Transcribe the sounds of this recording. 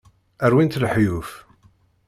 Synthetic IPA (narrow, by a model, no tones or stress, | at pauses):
æɾwint̪lħjuf